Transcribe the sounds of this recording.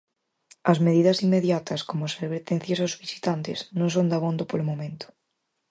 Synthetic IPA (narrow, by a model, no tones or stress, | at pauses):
ɐzmeðiðɐsinmːeðjat̪ɐskomoseβeɾt̪ẽnθjosaozβisi̥t̪ant̪ɪznõŋs̬ond̪aβond̪opolomõmẽnt̪ʊ̥